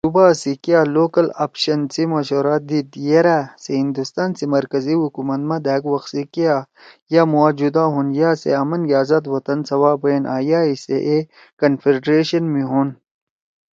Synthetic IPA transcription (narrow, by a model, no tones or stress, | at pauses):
subasikijaːloːkɐla̰pʃɐnsimɐʃoːɾaːd̪id̪jeɾaseɦind̪ust̪aːnsimɐɾkɐziɦukumɐt̪mɐd̪aːkwɐxsikja | jamuaːd͡ʒud̪aɦunjaːsḛɐmɐnjaːzɐt̪wɐt̪ɐnsɐwaːbenʔa̰ːjaːisḛʔe | kɐnfiɾɖɾeːɕɐnmiɦun